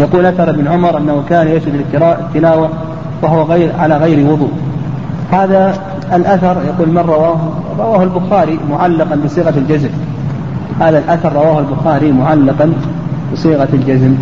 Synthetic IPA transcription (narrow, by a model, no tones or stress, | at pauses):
jaquːlʔaθɑɾˤʔɪbnʕʊmɑɾˤʔɪnːahukaːnjaʃhɪd̪alːɪt̪ːɪnaːwa | waɦʊwaɣʕalaɣajɾiwʊðˤuːʔ | haːðaː | lʔaθɑɾˤjaquːlmarˤːɑwaːhɾˤɑwaːhʊlbʊxaːɾimʊʕalːɑqɑnbɨsˤiːɣɑld͡ʒazm | haːðalʔaθɑɾˤːɑwaːhalbʊxaːɾimʊʕalːɑqɑn | bɨsˤiːɣald͡ʒazm